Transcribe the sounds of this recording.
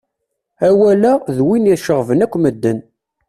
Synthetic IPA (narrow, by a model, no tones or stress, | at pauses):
æwælæðwiniʃəʁvənækʷːməd̪ːən